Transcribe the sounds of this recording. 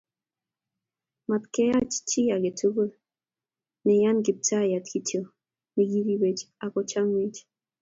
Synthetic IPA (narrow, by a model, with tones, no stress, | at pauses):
ma˨tkɛ˦ja˦t͡ʃt͡ʃi˦a˨ɡe˨tʰu˦ɡo˦ | nɛ˨ja˦nɡi˨p̚ta˦ja˨tki˨tjo˨ | ni˨ɡi˦ɾi˦we˨t͡ʃa˨kɔ˦t͡ʃa˦ŋwi˦t͡ʃ